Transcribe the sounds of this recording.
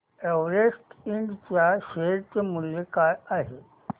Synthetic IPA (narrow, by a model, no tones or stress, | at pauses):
eʋɾesʈiɳɖt͡ɕjaʃeɾtəmuljekajaɦe